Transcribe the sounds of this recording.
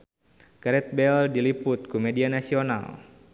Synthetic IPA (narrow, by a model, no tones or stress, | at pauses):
kaɾɛt̪̚bɛldilipʊt̪̚kumɛdianasiona̰l